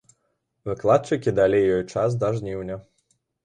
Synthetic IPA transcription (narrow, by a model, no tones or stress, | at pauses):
vɨklˠat̪̚t͡ʂɨkʲid̪alʲejːɔjt͡ʂas̬d̪ɐʐnʲiwnʲɐ